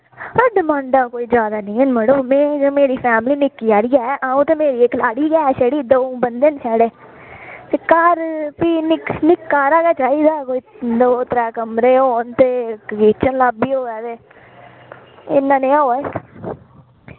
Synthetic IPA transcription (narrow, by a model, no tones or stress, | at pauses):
aɖɪmãːɳɖãːkoːiːd͡ʒjaːd̪aːnɪ̃ːənməɽəːmẽːd͡ʒomeːɾiːpʰɛːmliːnɪkːiːaːɾiːɛːʔaːũːt̪aːmeːɾiːeːklaːɽiːkɛːʃəɽiːd̪oːbənd̪eːnsɛːɽeː | t̪eːkaːɾpiːnɪknɪkːaːɾaːkɛːt͡ʃaːiːd̪aːkoːiːd̪oːt̪əɾɛːkəmɾeːoːnt̪eːɡiːt͡ʃʰənlaːbiːoːɛːt̪eː | ɪ̰nːãːnẽːãːoː